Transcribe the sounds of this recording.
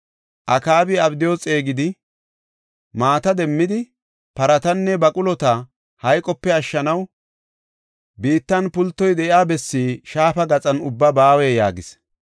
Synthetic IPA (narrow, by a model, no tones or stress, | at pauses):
ʔɐkaːbɪɐbd̪ɪjo̞ːt͡sʼe̞ːɡɪd̪ɪ | maːt̪ɐd̪ɛmːɪd̪ɪ | pɐɾɐt̪ɐnːɛbɐkʼʊlɔt̪ɐ | hɐjkʼɔpːɛɐʃːɐnɐw | biːt̪ːɐnpʊlt̪ːɔjd̪ɛʔɪaːbɛsːiːʃaːfɐɡɐt͡sʼɐnʊbːɐbaːwɛja̰ːɡɪs